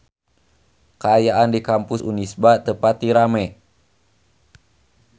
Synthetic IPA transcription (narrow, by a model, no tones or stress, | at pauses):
kaajaʔandikampʊsṵnisbat̪əpat̪̚diɾamɛ